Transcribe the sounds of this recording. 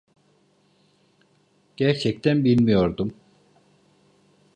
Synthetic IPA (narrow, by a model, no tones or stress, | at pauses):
ɟ̥æɾt͡ʃʰɛc̚t̪ʰænbilʲmijo̞ɾd̪um